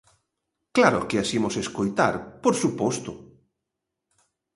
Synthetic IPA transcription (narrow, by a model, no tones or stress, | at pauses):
klaɾʊkɪasimoseskojt̪a̰ɾpoɾsupɔst̪ʊ